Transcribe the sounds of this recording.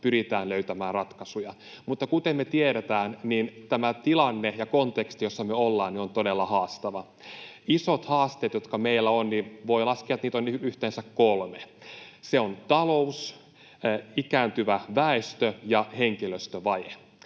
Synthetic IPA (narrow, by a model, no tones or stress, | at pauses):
pyɾit̪æːnløyt̪æmæːrrɑt̪kɑsujɑ | mut̪ːɑkut̪emmet̪ieɾet̪æːnniːnt̪æmæt̪ilɑnːejɑkont̪ekst̪ijosːɑmøolːɑːnniont̪odelːɑhɑːst̪ɑʋɑ | isot̪hɑːst̪eːt̪jot̪kɑmeilːæonninʋoilɑskiɑt̪niːt̪onyht̪eːnsækkolmeseont̪ɑlous | ikæːnt̪yʋæʋæest̪øjɑheŋkiløst̪øʋɑje